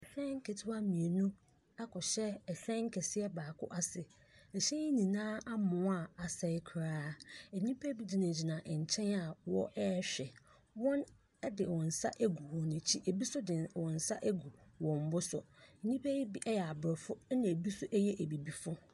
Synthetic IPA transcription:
ɛ˨ɕᶣɛ̃˦ŋ̩˦kʰɛ˨tʰɪ˦wa˦mĩ˨e˨nũ˦ | a˦kʰɔ˨ɕɛ˦ɛ˨ɕᶣɛ̃˦ŋ̩˦kʰɛ˨sɪ˦ɛ˦baː˨kʰʊ̰˦ʔa˨sɪ˨ | ɛ˨ɕɛ̃˦i˦nĩ˨nãː˦a˦mʊ̃˨˦a˦˨a˨sɛ˨ɪ˦kʰɾaː˦ɛ˨nĩ˦pʰæ˦bi˦dɪ˨nã˨d͡ʑi˨nã˨ʔɛ˨ɲ˨t͡ɕʰɛ̃˦na˨wɔ̰˦ʔɛ˦ɕᶣɛ˨ | wɔ̃˦n˦ | dɪ˨wɔ̃˨n̩˨sa̰˦ʔæ˦ɡu˨wɔ̃˨næ˨t͡ɕʰi˦ʔe˨bi˦sʊ˦dɪ̃˨nwɔ̃˨n̩˨sa˦ʔæ˦ɡu˨wɔ̃˨m̩˨bʊ˦sʊ̰˨nĩ˦pʰæ˦i˦bi˦ʔɛ˦jɛ˨a˨bɾɪ˨fʊ˦nã˨bi˦sʊ˦ʔæ˦jɛ˦ʔæ˨bi˨bi˨fʊ˦

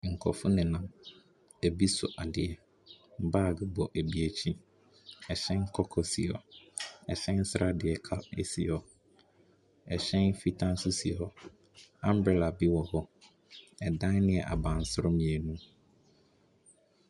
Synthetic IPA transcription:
ŋ̩˨kʰɔ̰˨fʊ˦nɪ̃˨nã˨m | e˨bi˦sʊ˨ʔa˨dɪ˨ɛ˨ | m̩˨baː˦˨ɡɪ˨bɔ˨ʔe˨bi˨æ˨t͡ɕʰĩ˦ | ɛ˨ɕɛ̃˦n˦kʰɔ˦kʰɔ˨sḭ˨ɔ̰˨ɛ̰˨ɕɛ̃˦n˦sɾʔa˦dɪ˨ɛ˨kʰa˦ḛ˨si˨ɔ˨ | ɛ˨ɕɛ̃˦nfi˦tʰã˦n˦sʊ˦si˨ɔ˨ | ã˦m˦bɾɛ˨la˨bi˦wɔ˨hɔ˦ | ɛ˨dã˦nɪ̃˦ɛ˨ʔa̰˨bã˨n˨sʊ˦ɾʊ˦mĩ˨e˨nũ˦

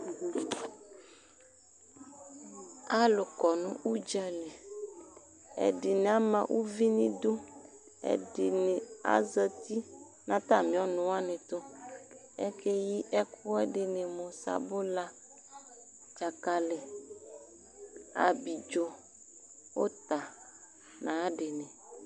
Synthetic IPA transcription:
a˦lo˨kɔ˨nṵ̃˦ʔu˦d͡ʒɛ˨le˨ | ḛ˨ɖi˨ne˨a˦mã˨wʔu˦vi˦nĩ˦d̪u˦ | ḛ˨di˨ne˨a̰˦zə˨t̪i˦ | nã˦t̪a˦mĩ˨ɔ˦nũ˨wa˦nẽ˨t̪o˦ | ḛ˦ke˦ji˦ʔɛ˦ku˦ɛ˦ɖe˨nẽ˨mɔ̃˨sa̰˨bo˦la˦ | d͡ʒa˨ka˨le˨ | a̰˨bi˨d͡ʒo˦ | wo˦t̪a˨ | nã˨˦ɖe˨nɛ̃˨

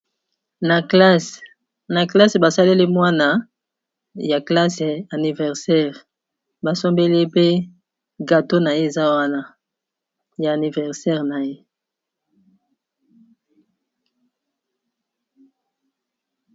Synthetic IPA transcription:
na˨˦s | na˨kla˦sba˨sa˦le˦li˦mwa˦na˦ | ja˨kla˦sa˨ni˨vɛ˨ʁsɛ˦ʁ | ba˨sɔ˦mbɛ˦li˦pe˦ | ɡa˨to˦na˨je˦e˨za˦wa˦na˦ | jaː˨ni˨vɛ˨ʁsɛ˦ʁna˨je˦

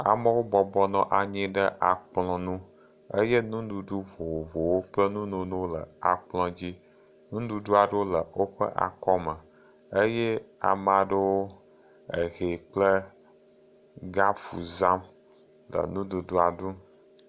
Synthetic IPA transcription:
a̰˨mə˦wo˦bɔ˨bɔ˦nɔ̃˦ʔa˨ɲĩ˦ɖə˦ʔa˨k͡plɔ̃˦nũ˦ | ə˦je˦nũ˦ɖu˨ɖu˦vo˨wo˨vo˨wo˦k͡plə˦nũ˦nũ˨nõ˦lə̰˨a̰˨k͡plɔ̃˦d͡ʑi˦ | nũ˦ɖu˨ɖu˦a˨ɖə˦wo˦lə˨wo˦ɸə̰˦ʔa̰˨kɔ˦mə˨ | ə˦jɛ˦a̰˨mã˨ɖə˦wo˦ | ə˨ɣe˨k͡plə˦ | ɡa˦fṵ˨za˦m | lə̰˨nũ˦du˨ɖu˦a˨ɖu˦

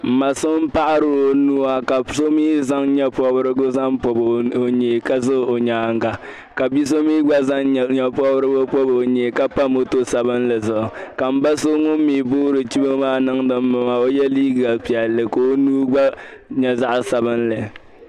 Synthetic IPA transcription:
m̩˨ma˨sʊ˦m̩˦pa˦ʔa˦ɾɨ˨o˦nu˦a˨ka˨so˦miː˦za˦ŋɲɛ˦pɔ˦bɨ˦ɾɨ˦ɡʊ˦za˦ŋpɔ˨bo˨ɲe˨ka˦zɨ˦o˨ɲaː˦ŋ˦ɡa˨ | ka˨bi˦s̬o˦miː˦ɡ͡ba˦za˦ŋ˨ɲɛ˦pɔ˦bɾɨ˦bʊ˦pɔ˦bo˨ɲe˨ka˦pa˦mo˨to˦sa˨bɨ˦nlɨ˨zʊ˨ʔka˨m̩˦ba˦so˦ŋʊ˦m̩˦miː˨buː˦ɾɨ˨t͡ʃi˦ba˦maː˦nɨ˦ŋdɨ˦m̩ː˦ɨ˨ma˨o˦jɛ˦liː˦ɡɡa˨pi˨ɛ˨lːɨ˨ko˦nuː˦ɡ͡ba˦ɲɛ˦za˦ʔsa˨bɨ˦nlɨ˨

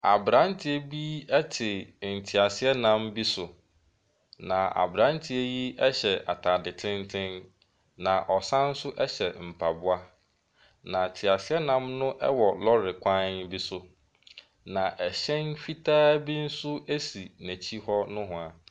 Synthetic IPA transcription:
a˨bɾã˦n˦tʰɪ˦e˦bi˦ɛ˦tʰɪ˨n̩˨tʰi˨a˨sɪ˦ɛ˦nã˦mbi˦sʊ˨ | nã˨a̰˨bɾã˦ntʰɪ˦ɛ˦ji˦ɛ˦ɕɛ˨ʔa̰˨tʰa˨dɪ˨tʰɪ̃˦ntʰɪ̃˦n | nã˨ʔɔ˨sã˦n̩˦sʊ˦ʔɛ˦ɕɛ˨m̩˨pʰa˨bʊ˦a˦ | nã˨tʰi˨a˨sɪ˦ɛ˦nã˦mnʊ̃˦ʔɛ̰˦wɔ˨lɔ˦ɾɪ˨kʷʰã˦nbi˦sʊ˨ | nã˨ʔɛ˨ɕɛ̃˦nfi˦tʰaː˦bi˦n̩˦sʊ˦æ˦si˨næ˨t͡ɕʰi˦hɔ˦nʊ̃˦ɦʊ̃˨a˨

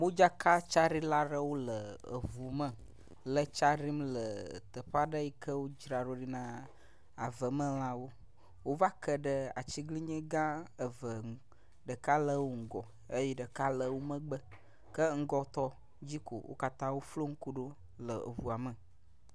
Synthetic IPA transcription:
wo˦d͡ʒa˦ka˦t͡ʃa˦ɾi˦la˦ɖə˦wo˦lə˨ə˨vu˨mə̃˨ | lə˨t͡ʃa˦ɾi˦mlə˨t̪ə˨ɸa˦ɖə˦ji˦kə˦wo˦d͡ʒɾa˨ɖo˦ɖi˦nã˦ | a˨və˨mə̃˦l̃ã˦wo˦ | wo˦va˦kə˦ɖə˨a̰˨t͡ʃi˦ɡli˦ɲɛ̃˦ɡã˦ə˨və˨ŋ˨ | ɖə˨ka˦lə˦wo˦ŋ̩˦˨ɡɔ˨ | e˦jɛ˦ɖə˨ka˦lə˨wo˦mə̃˦ɡ͡bə˦ | kə˦ŋ̩˦ɡɔ˦t̪ɔ˦ | d͡ʑi˦ko̰˨wʔo̰˦ka˦t̪ã˦wo˦flo˦ŋ̩˦ku˦ɖo˦ | lə˨ə̰˨vu˨a˨mə˨

